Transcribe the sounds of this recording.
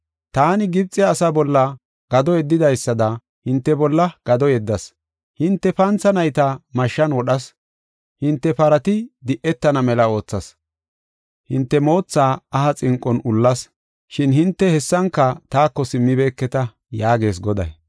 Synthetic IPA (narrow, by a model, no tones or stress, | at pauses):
t̪aːnɪɡɪb̚t͡sʼːɪːsɐbɔlːɐ | ɡ̥ɐd̪ɔɛd̪ːɪd̪ɐjsːɐd̪ɐ | hɪnt̪ːɛbɔlːɐɡ̥ɐd̪ɔjɛd̪ːɐs | hɪnt̪ːɛpɐnt͡sɐnɐjt̪ɐmɐʃːɐnwɔɗɐs | hɪnt̪ːɛpɐɾɐt̪ɪd̪ɪʔɛt̪ːɐnɐmɛlɐo̞ːt͡sːɐs | hɪnt̪ːɛmo̞ːt͡sːaːɐhɐt͡sʼɪŋkʼːɔnʊlːɐs | ʃɪnhɪnt̪ːɛhɛsːɐŋkːɐt̪aːkːɔsɪmːɪbe̞ːkːɛt̪ɐ | jaːɡe̞ːs̬ɡɔd̪ɐ̰j